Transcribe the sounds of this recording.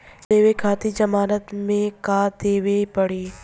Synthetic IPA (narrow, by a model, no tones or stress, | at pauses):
d̪eːʋekʰaːt̪id͡ʒɐmaːɾət̪mẽkaːd̪eːʋepɐɽiː